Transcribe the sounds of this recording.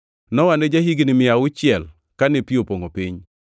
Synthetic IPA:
nɔwaned͡ʒaɦiɡinɪmɪaʊt͡ʃɪɛl | kanɪpiopoŋopɪɲ

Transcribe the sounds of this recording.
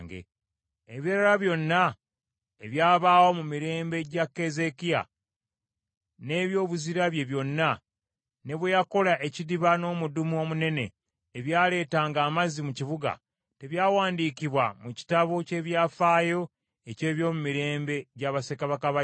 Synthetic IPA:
ŋɡḛ | eβiɾalaβjo̞nːa | eβjaːβaːwo̞mumiɾe̞ːmbe̞ɟakːe̞ze̞kija̰ | ne̞ːβjo̞ːβuziɾaβje̞βjo̞nːa | ne̞βwejako̞laʔe̞cidiβano̞ːmudumuo̞ːmune̞ne̞̰ː | βjaːle̞ːtaːŋɡaːmazimuciβuɡa̰ | te̞βjaːwaːndiːkiβwamuci̥taβo̞ce̞ːβjaːfaːjo̞ | ece̞ːβjo̞ːmumiɾe̞ːmbe̞ɟaːβase̞kaβakaβa

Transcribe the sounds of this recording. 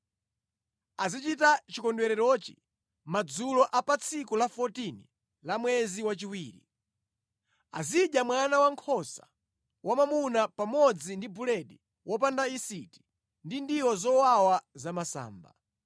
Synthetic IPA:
azit͡ʃitat͡ʃikɔndwɛɾɛɾɔt͡ʃi̥̰ | mad͡zulɔʔapat͡sʰikulafɔtini | lamwɛziwat͡ʃiwiːɾḭ | a̰ziɗjamwanawaŋkʰɔsa̰ | wamamunapamɔd͡zindibulɛɗi | wʔɔp̬andaisiti̥ | ndindiwɔzɔwawazamasa̰ːmba

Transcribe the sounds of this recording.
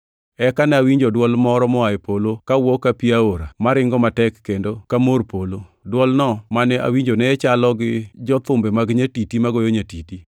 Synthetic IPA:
ɛkanɛawiɲd͡ʒɔdwɔlmɔɾɔmɔaepolokawɔkːapiaoɾamaɾɪŋɡɔmatɛkːendokamorpolodwɔlnɔmanɛʔa̰wiɲd͡ʒonɛɛt͡ʃalɔɡɪd͡ʒɔt̪ʊmbɛmaɡɲatitimaɡojoɲatiti

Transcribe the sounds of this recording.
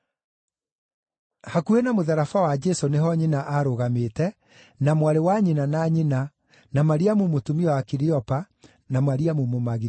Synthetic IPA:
hakuenamoðaɾafawad͡ʒɛsoneɦɔɲinaʔaɾoɣametɛ | namwaɾewaɲinanaɲina | namaɾiamumotumiɔwakiɾiɔpa | namaɾiamumomaɣi

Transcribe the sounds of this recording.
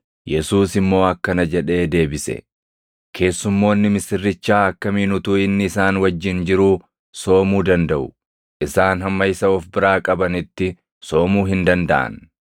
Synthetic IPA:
jɛsuːsɪmːo̞ːɐkːɐnɐd͡ʒɛᶑe̞ːd̪e̞ːbɪsɛ̰ | kʰe̞ːsːʊmːo̞ːnːɪmɪsɪrːɪt͡ʃːaːɐkːɐmiːnʊt̪uːɪnːɪɪsaːnwɐd͡ʒːɪnd͡ʒɪɾuː | so̞ːmuːd̪ɐnd̪ɐʔʊ | ʔɪsaːnɦɐmːɐjɪsɐɔfbɪɾaːkʼɐbɐnɪt̪ːɪ | so̞ːmuːɦɪnd̪ɐnd̪ɐ̰ʔɐ̰n

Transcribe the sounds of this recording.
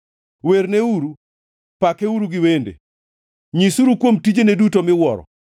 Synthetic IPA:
weɾneuɾu | pakeuɾuɡɪwendḛ | ɲisuɾukwomtid͡ʒenedutomɪwɔɾɔ̰

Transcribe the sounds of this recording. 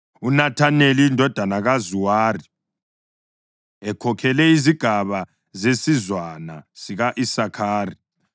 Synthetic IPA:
unatʰaneliindʱɔd̥ʱanaɣazuwaːri | ɛkʰɔkʰɛlɛiziɡ̥ʱaβa | zesizwanasiɣaʔisakʰaːri

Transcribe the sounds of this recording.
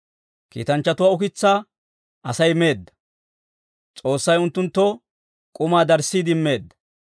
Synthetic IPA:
kḭːt̪ɐnt͡ʃːɐt̪ʊwaːʊkɪt͡sːaː | ʔɐsɐjme̞ːd̪ːɐ̥ | t͡sʼo̞ːsːɐjʊnt̪ːʊnt̪ːɔ | kʼʊmaːd̪ɐɾsːiːd̪ɪmːe̞ːd̪ːɐ̥

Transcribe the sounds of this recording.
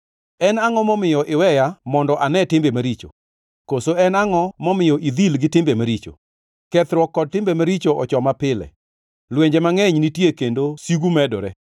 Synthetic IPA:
ɛnaŋɔmɔmɪjɔʔɪwɛjamɔndɔʔanɛtɪmbemaɾit͡ʃo̰ | kosoɛnaŋɔmɔmɪjɔʔid̪ilɡɪtɪmbemaɾit͡ʃo̰ | kɛt̪ɾwɔkːɔd̚tɪmbemaɾit͡ʃoʔɔt͡ʃɔmapɪlɛ̰ | lweɲd͡ʒemaŋɛɲnitjekendosiɡumɛdɔɾɛ

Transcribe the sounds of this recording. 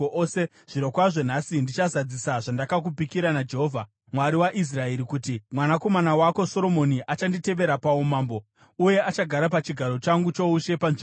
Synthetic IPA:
se | ʐ̥iɾokwaʐe̞n̤asindit͡ʃazad͡zisaʐandakak̬upikiɾanad͡ʒe̞ɦoːvʱa | mwaɾiwaʔis̬rae̞ɾikutimwanako̞manawako̞so̞ɾo̞mo̞niʔat͡ʃandite̞ʋe̞ɾapaomaːmbo̞ | uje̞ʔat͡ʃaɡʱaɾapat͡ʃiɡʱaɾo̞t͡ʃaŋɡut͡ʃo̞uʃe̞panʐi

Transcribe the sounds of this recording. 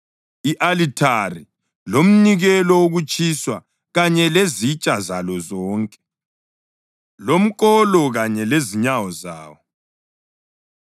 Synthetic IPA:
iʔalitʰari | lom̩niɣɛlɔoɣut͡ʃʼiswa | ɣaɲɛlezit͡ʃʼazalɔzɔːŋkʼɛ̥ | lom̩kʼɔlɔɣaɲɛleziɲawɔza̰ːwɔ

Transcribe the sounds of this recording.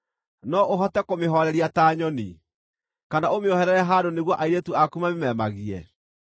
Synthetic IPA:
nɔʔoɦɔtɛkomeɦɔɾɛɾiataːɲɔni | kanaomeɔhɛɾɛɾɛɦadoneɣwɔʔaiɾetuakumamemɛmaɣiɛ̰

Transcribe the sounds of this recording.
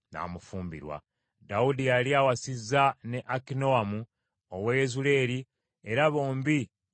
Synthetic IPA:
na̰ːmufuːmbḭɾwa̰ | daudijaliaːwasizːane̞ʔakino̞amu | owejezule̞ːɾi | e̞ɾaβo̞ːmbi

